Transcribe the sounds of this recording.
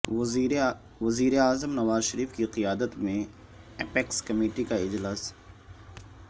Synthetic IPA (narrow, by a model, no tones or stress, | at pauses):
ʋɐziːɾeaːzəmnɐʋaːzʃɐɾiːfkiqijaːd̪ət̪mẽ | ɛpeːkskɐmeːʈikaɪd͡ʒlaːs